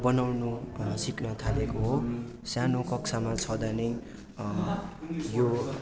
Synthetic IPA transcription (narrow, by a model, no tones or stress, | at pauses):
bʌnawnusiknʌt̪ʰalekoɦo | sanokʌkt͡sʰamat͡sʰʌd̪anʌj | jo